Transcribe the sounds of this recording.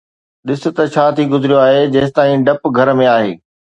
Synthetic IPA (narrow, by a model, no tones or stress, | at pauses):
ɗɪsʊ̆t̪ɐt͡ɕʰaːt̪ʰiɡʊzɪɾijoaːɦed͡ʑɐːst̪aːĩɖɐpɡʱɐɾmẽaːɦḛː